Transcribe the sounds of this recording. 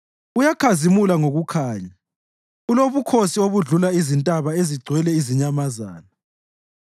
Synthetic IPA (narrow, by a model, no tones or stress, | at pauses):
ujakʰazimulaŋoɣukʰaːɲa | uloβukʰosioβuɮulaizintʼaβaeziɡ͡ǀʱwɛlɛiziɲamaza̰ːna